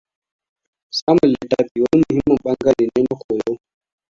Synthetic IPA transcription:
sa˦mə˨lɛ˨ta˦pi˨wɔ˦lmu˨hi˦mɔ˦ɓa˦ŋɡa˦lɛ˨nɛ˦nɔ˦xɔ˨jɔ˦

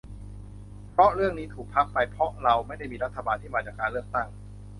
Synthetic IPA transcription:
pʰɾɔ˦˥ʔɾɯ˥˩əŋniː˦˥t̪ʰuː˨˩k̚pʰa˦˥k̚pa˧jpʰɾɔ˦˥ɾa˧wma˥˩jda˥˩jmiː˧ɾa˦˥t̪ʰːa˧baː˧nt̪ʰiː˥˩maː˧t͡ɕaː˨˩kːaː˧lɯ˥˩ək̚t̪a˥˩ŋ

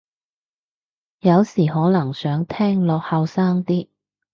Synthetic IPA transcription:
jɐ˨˧wsiː˨˩ɦɔː˨˥nɐ˨˩ŋsœː˨˥ŋt̪ʰɛː˥ŋlɔː˨˧k̚hɐ˨˧wsaː˥ŋt̪iː˥

